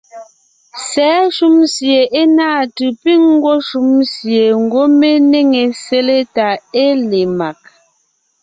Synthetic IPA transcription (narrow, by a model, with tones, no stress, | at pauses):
sɛː˨˦ʃu˦msje˨ʔe˦naː˦˨tɯ˨pi˦ŋŋ˦ɡwɔ˦ʃu˨˦msje˨ŋ˨ɡwo˦me˦ne˦ŋe˨se˦le˦ta˨e˦le˨ma˨k̚